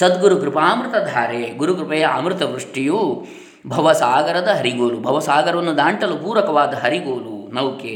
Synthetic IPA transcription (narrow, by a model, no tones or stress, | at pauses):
sɐd̪ɡuɾukɾɪpaːmɾɨt̪ɐd̪ʱaːɾeːɡuɾukɾɪpɐjɐa̰ːmɾɪt̪ɐʋɾuʂʈiju | bʱɐʋɐsaːɡɐɾɐd̪ɐɦɐɾiɡoːlubʱɐʋɐsaːɡɐɾɐʋɐnːud̪aːɳʈɐlupuːɾɐkɐʋaːd̪ɐɦɐɾiɡoːlunɐwke